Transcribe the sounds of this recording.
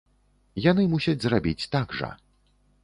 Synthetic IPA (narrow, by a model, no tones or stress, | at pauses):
janɨmusʲɐd͡zʲzrabʲit͡sʲt̪aɡʐɐ̰